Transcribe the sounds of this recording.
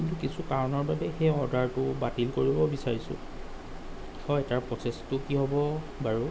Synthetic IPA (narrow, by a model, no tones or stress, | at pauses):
kintukisukaɹɔnɔɹbabɛxeɔɹdʱaɹtʊbatilkoɹibɔbisaɹisʊ̰̃ | hɔjɛtaɹpɹɔsestʊkiɦɔbɔ | baɹu